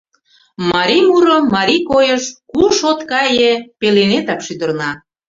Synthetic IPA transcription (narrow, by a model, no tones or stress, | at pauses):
mɑɾimuɾəmɑɾikojəʃkuʃot̪kɑjepelenet̪ɑkʃyd̪ərnɑ